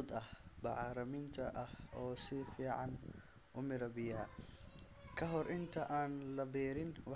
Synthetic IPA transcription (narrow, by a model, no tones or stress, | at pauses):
d̪ɐhbɑʕɾɐmɪnt̪ʰɐʔɐhɔːsɪfiːʕɑn | ʔʊmɪɾɐbɪjaː | kʰɐɦɔɾʔɪnt̪ʰɐʔaːnlɐbɛːɾɪnwɑ